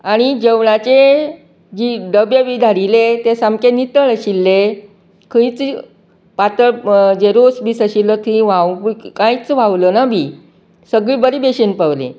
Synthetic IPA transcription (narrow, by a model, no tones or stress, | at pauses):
aɽ̃id͡ʑəʋɳat͡ɕe | d͡ʑiɖəbjəʋid̪ʱaɽilet̪esamkenit̪əɭəɕilːe | kʰə̃it͡s | pat̪əɭd͡ʑeɾosbiːsəɕilːət̪ʰĩʋawpkãjt͡sʋaʋlənabʱi | səɡɭiːbəɾibeɕenpəʋlḛ̃